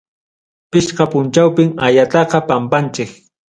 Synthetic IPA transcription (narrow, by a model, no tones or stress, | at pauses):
pɪʃqɑpʊnt͡ʃawpɪŋajat̪ɑqɑpampant͡ʃɪk